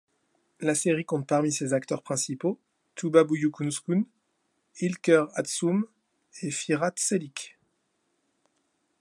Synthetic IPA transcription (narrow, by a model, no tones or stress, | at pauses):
laseʁikɔ̃t̪̚paʁmisezakt̪œʁpχɛ̃sipo | t̪ubabujukunskun | ilkʲœʁat̪sum | efiʁat̪selik